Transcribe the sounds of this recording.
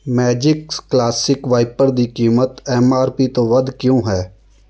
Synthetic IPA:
mɛːd͡ʒɪkːlaːsɪkʋaːɪpəɾd̪iːkiːmət̪ɛːmaːɾpiːt̪õːʋəd̪kjõːɦɛː

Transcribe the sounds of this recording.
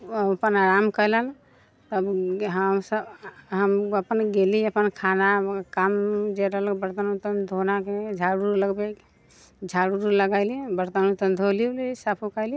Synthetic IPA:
pənaɾamkələn | t̪ːbɦəmsəbɦəməpənɡeliəpənkʰanakamd͡ʒeɾəlkbəɾt̪ənut̪ənd̪ʱonaked͡ʒʱaɽuɾləɡbek | d͡ʒʱaɽuɾuləɡaɪliɛ̃bəɾt̪ənut̪ənd̪ʱoliulisapʰukali

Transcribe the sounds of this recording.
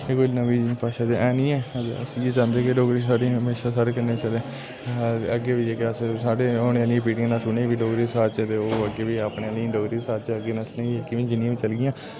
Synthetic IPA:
ekolnəʋiːpaːʃaːd̪eʔɛːnĩːɛːd͡ʒ̪̰əsĩeːt͡ʃãːnd̪eːkɪɖoːɡɾiːsaːɖiːɦəmeːʃaːsaːɽeːkənːẽːt͡ʃəleː | əɡeːʋieːkeəssaːɖeːoːneːaːlĩːpiːʈɪ̃ŋɡnaːsʊneːbiːɖoːɡɾiːsaːt͡ʃɛt̪eoːəɡeːʋiːapɳeːaːlĩɖoːɡɾiːsaːt͡ʃəɡeːnəslẽːkɪʋẽːd͡ʒɪnːãːʋiːt͡ʃəlɡɪjãː

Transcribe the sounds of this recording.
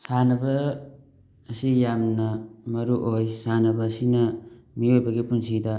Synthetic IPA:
sanɐbɐ | sijamnɐmɐɾuʔojsanɐbɐsinɐmiojbɐɡipunsidɐ

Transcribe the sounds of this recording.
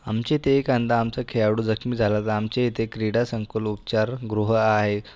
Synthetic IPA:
amt͡ɕet̪eːkand̪ʱaːmt͡səkʰejaʋɽuːd͡zəkʰmiːd͡zʱalat̪əamt͡ɕet̪ekɾiɽasəŋkəlupt͡ɕaɾɡɾuɦəaɦe

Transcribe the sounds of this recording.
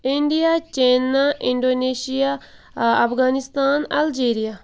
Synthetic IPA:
iɳɖijaːt͡ʃeːnaʔɪɳɖoːneːʃijaː | ɐpʰɡaːnɪst̪aːnɐld͡ʒeːɾijaː

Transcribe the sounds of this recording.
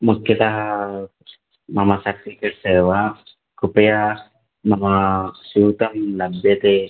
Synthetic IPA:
mukʰːjɐt̪ɐɦɐ | mɐmɐsɐkikeʈseːʋɐ | kupɐja | nɐmɐsuːt̪ɐmlɐbʱjɐt̪e

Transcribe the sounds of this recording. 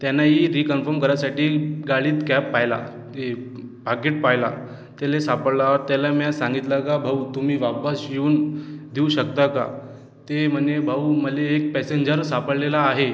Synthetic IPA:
t̪janːaɦiɾikənfəɾmkəɾjasaʈiːɡaɭiːt̪kɛpːajla̰ | e | paɡeʈ̚pajla̰ | t̪alesapəɽlaəɾt̪jalamjasãŋɡit̪lakabʱaut̪umiːʋapasɕiuːnd̪iuɕəkt̪aka̰ | t̪em̤ənebʱauməleːk̚pɛseɲd͡ʑəɾsapəɽlelaːɦe

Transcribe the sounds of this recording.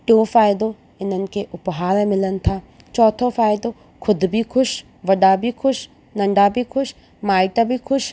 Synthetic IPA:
ʈõːfʰaːjd̪o | ɪnənkeʔʊpɦaːɾɛmɪlənt̪ʰa | t͡ʃɔːt̪ʰofʰaːjd̪o | kʰʊd̪bʱikʰʊʃ | ʋɐɖabʱikʰʊʃ | nɐ̃ɳɖabʱikʰʊʃ | maːjʈ̪abʱikʰʊʃ

